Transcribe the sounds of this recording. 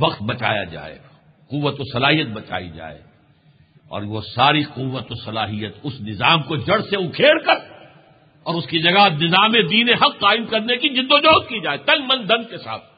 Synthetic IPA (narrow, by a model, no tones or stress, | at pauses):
ʋɐqt̪̚bɐt͡ʃa̰ːja̰d͡ʒa̰ːḛːɡa | qʊʋːət̪osɐlaːɦijət̪̚bɐt͡ʃa̰ːḭd͡ʒa̰ːḛː | ɔ̰ːɾʋosaːɾiqʊʋːət̪osɐlaːɦijət̪ʊsnɪzaːmkod͡ʒɐɽseʊkʰeːɽkɐɾ | ɔːɾʊskid͡ʒɐɡaɦnɪzaːmed̪iːneɦɐqːaːɪmkɐɾnekid͡ʒɪ̃nd̪od͡ʒoːt̪̚kid͡ʒaːeːt̪ɐ̃ŋɡmɐ̃nd̪ɐ̃nd̪̚kesa̰ːt̪̚ʰ